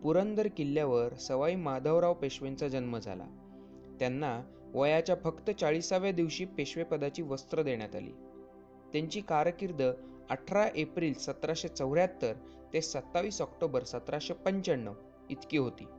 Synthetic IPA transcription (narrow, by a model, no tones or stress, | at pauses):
puɾənd̪əɾkilːjaʋəɾsəʋaimad̪ʱəʋɾaʋpeɕʋent͡sad͡ʑənməd͡zʱa̰la̰ | t̪janːa | ʋəjat͡ɕjafəkt̪ət͡saɭisaʋjad̪iʋɕiːpeɕʋepəd̪at͡ɕiːʋəst̪ɾəd̪eɳjat̪a̰lḭː | t̪jaɲt͡ɕiːkaɾkiɾd̪ʱə | əʈʰɾaʔepɾiːlsət̪ɾaɕet͡səʋɾjat̪ːəɾ | t̪esət̪ːaʋiːsɔkʈobəɾsət̪ɾaɕepəɲt͡ɕəɳːəʋ | it̪kiːɦot̪ḭː